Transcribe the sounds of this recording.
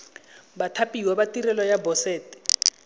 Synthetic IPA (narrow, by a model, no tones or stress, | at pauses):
batʰapʼiwɛbatirɛlɔjabɔsɛːtɛ̥